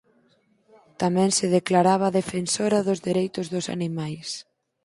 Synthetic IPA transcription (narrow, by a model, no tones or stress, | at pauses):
t̪amɛ̃ŋsɪðeklaɾaβ̞ɐðefensoɾɐðʊzðiɾejt̪ʊzðʊsa̰nimajs